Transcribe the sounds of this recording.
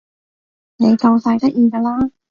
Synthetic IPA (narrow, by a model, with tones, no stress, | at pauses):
ne˨˧jkɐ˧wsɐ˧jt̪ɐ˥k̚ʔjiː˧ɡaː˧laː˥